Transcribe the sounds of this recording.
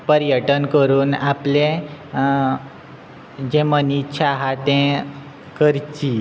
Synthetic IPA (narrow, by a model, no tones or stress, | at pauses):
pəɾjəʈənkəɾuːnaplẽ | d͡ʑẽmənit͡ɕʰaɦat̪ɛ̃ | kəɾt͡ɕi